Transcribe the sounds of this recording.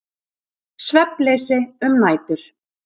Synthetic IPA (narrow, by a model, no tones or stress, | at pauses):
svɛplesɪʏmnaːjt̪ʏɾ̥